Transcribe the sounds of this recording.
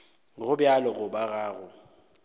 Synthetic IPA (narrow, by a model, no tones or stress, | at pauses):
ɣʊbjalɔɣʊbaɣaːɣʊ